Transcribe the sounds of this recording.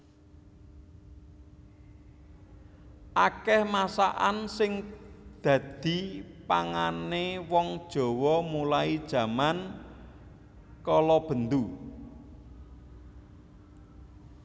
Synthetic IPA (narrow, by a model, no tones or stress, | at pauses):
ʔakɛhmasaʔansɪŋd̪̥ä̤d̪̥i̤paŋanewɔŋd̥ʒ̥ɔ̤wɔmulaid̥ʒ̥ä̤man | kɔlɔb̥ə̤nd̪u